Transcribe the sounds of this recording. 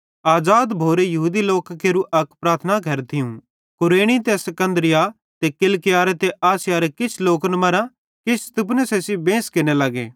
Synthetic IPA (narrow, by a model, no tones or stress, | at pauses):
aːd͡ʒaːd̪bʱoːɾejɐɦuːd̪iloːkkeɾuʔɐkpɾaːɾt̪ʰnaɡʱɐɾt̪ʰɪjũ | kʊɾeːɽ̃it̪̬esɐkə̃nd̪ɾɪja | t̪ekɪlkɪjaːɾet̪eʔaːsɪjaːɾekɪt͡ʃʰloːknmɐɾã | kɪt͡ʃʰt̪ɪp̬nesesibẽːskɪnelɐɡḛː